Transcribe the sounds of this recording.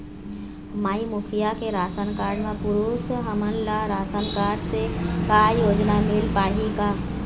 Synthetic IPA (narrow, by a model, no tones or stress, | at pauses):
maːimʊkʰijakeɾaːsənkaːɾɖmẽpʊɾuːsɦəmənlaɾaːsənkaːɾɖsekajoːd͡ʒnamɪlpaːɦika